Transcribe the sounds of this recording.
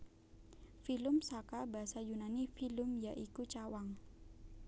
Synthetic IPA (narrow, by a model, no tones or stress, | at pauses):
filʊmsakabaɦasajunanifilʊmjaʔikut͡ʃawaŋ